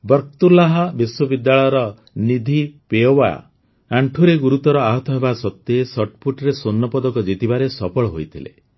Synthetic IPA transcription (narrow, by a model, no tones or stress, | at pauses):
bɔɾkt̪ulaɦabiswɔbid̪ːaɭɔjɔɾɔ | nid̪ʱipeɔwa̰ | aɳʈʰuɾeɡuɾut̪ɔɾɔaɦɔt̪ɔɦebasɔt̪ːeːsɔʈpʰuʈɔɾesonːɔpɔd̪ɔkɔd͡ʒit̪ibaɾesɔpɔɭɔɦojt̪ʰilḛ